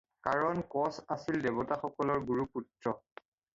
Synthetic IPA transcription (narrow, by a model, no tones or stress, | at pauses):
kaɹɔnkɔsasildebɔtaxɔkɔlɔɹɡuɹuputɹɔ